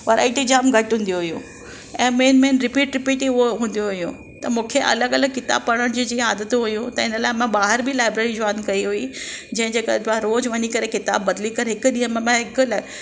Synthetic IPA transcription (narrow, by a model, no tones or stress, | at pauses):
ʋɐɾa̰ːɪʈid͡ʑaːmɡʱɐʈɦũːnd̪joɦʊjṵ̃ | ɛ̃ːmeːnmẽːnɾɪpiːʈɾɪpiːʈiʊoɦũːn̆d̪ijoɦʊjũ | t̪ɐmũːkʰeʔɐ̰ləɡɐləɡ̚kɪt̪a̰ːb̚pɐɽ̃əɽ̃d͡ʑiːd͡ʑĩːaːd̪ət̪ɦujũt̪ɐɪnəlaːɪmãɓaːɦɪɾbʱɪlaːɪbɾeːɾid͡ʑɔːɪnkɐiɦuid͡ʑɐ̃ɦɪ̃ɲd͡ʑeːkɐ̰aɾoːd͡ʑʋɐɲikɐɾekɪt̪a̰ːbːɐd̪likɐɾɦɪkʊɗĩːɦə̃mẽmãɦɪkl